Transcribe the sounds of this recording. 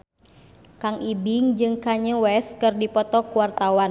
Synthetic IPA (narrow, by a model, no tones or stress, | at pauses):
kaŋibiŋd͡ʒɨŋkaɲəwɛs̚kɨrdipɔt̪ɔkuwart̪awan